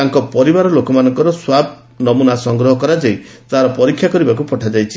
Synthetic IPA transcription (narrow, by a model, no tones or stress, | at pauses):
taŋkɔpɔɾibaɾɔlokɔmanɔŋkɔɾɔswab̚ | nɔmunasɔŋɡɾɔɦɔkɔɾad͡ʒej | t̪aɦaɾɔpɔɾikʰjakɔɾibakupɔʈʰad͡ʒajt͡ʃʰi